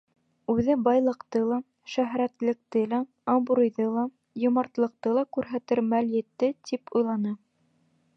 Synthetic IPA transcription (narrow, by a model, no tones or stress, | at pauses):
ʉðɘbɑjlˠɤ̆qt̪ɤlˠɑ | ʃæɦɾæt̪lɘ̆k̚t̪ɘlæ | ɑmbuɾŭjðɤlˠɑ | jŏmɑɾt̪lˠɤ̆q̚t̪ɤlˠɑkʉɾɦæt̪ɘɾmæljɘ̆t̪ːɘt̪ipujlˠɑnɤ